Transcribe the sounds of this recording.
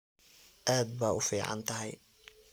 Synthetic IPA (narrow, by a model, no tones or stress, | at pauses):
ʔaːd̪̚baːʊfiːʕɑ̰nt̪ʰɐɦɛj